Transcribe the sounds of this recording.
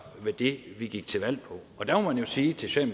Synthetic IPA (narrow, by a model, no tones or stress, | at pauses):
ʋed̥e̝ʋiɡ̥iɡ̥̚t͡sʰe̝ʋæl̰pʰɒ̽ɒ̽d̥æmɒmænjo̝siːt͡sʰe̝lɕɛ̰ːm